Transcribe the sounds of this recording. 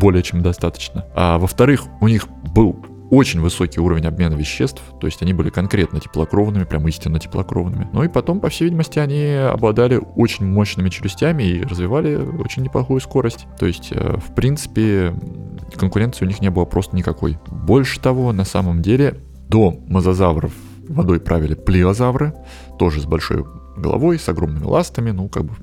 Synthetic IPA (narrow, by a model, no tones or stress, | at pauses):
bo̞lʲɪjət͡ɕemd̪ɐst̪at̪ə̥t͡ɕnəavəft̪ɐɾɨxʊnʲix | bɨlˠ | o̞t͡ɕɪnʲvɨso̞kʲɪjuɾəvʲɪnʲɐbmʲe̞nəvʲɪɕːe̞st̪ft̪o̞̰ɪsʲtʲɐnʲibɨlʲɪkɐnkɾʲe̞t̪nətʲɪ̥plˠɐkɾo̞vnɨmʲɪpɾʲʔamisʲtʲɪnːətʲɪ̥plˠɐ̰kɾo̞̰vnɨmʲɪnuipɐt̪o̞mpɐfsʲejvʲidʲɪməsʲtʲɪɐnʲiɐ̰blˠɐd̪alʲɪot͡ɕɪnʲmo̞ɕnɨmʲɪt͡ɕʊɾʲɪsʲtʲæmʲɪirəzvʲɪvalʲɪo̞̰t͡ɕɪnʲːɪplˠɐxujʊsko̞ɾəsʲtʲt̪o̞̰ɪsʲtʲə̰fpɾʲint̪sɨ̥pʲɪ | kənkʊɾʲet̪sɨjʊnʲixnʲebɨlˠəpɾo̞st̪ənʲɪkɐko̞̰jbo̞lʲʂɨ̥t̪ɐvo̞nɐsaməmdʲelʲɪ | d̪o̞məzɐzavrə̰fː | ɐd̪o̞jpɾʔavʲɪlʲɪplʲɪvɐzavrɨ | t̪o̞ʐɨzbɐlʲʂo̞̰jɡə̰lˠɐ̰vo̞jsɐɡɾo̞mnɨmʲɪ̰lˠast̪əmʲɪnuka̰ɡ̚bɨ